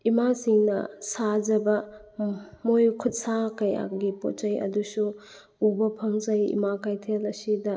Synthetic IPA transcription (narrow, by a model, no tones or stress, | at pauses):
imasiŋnɐ̰sad͡ʒɐbɐ | mojkʰut̚sakɐja̰ɡipo̰t̚t͡ʃɐjɐ̰dusu | ubɐpʰɐŋzɐjḭmakajtʰelɐsidɐ